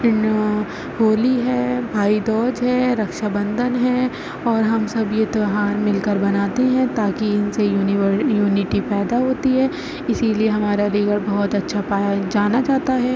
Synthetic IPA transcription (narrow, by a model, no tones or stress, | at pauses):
n | ɦoːliɦɛːbʱaːid̪ɔːd͡ʒɦɛːɾɐkʃabɐ̃nd̪ʱənɦɛː | ɔːɾɦɐmsɐbjet̪oɦaːɾmɪlkəɾbɐnaːt̪eɦɛ̃t̪aːkiɪnsejuːnjuːnɪʈipɛːd̪aɦoːt̪iɦɛː | ɪsilieɦɐmaːɾaliːɡəɾbɐɦʊt̪ɐtːʃʰapaːjad͡ʒaːnad͡ʒaːt̪aɦɛː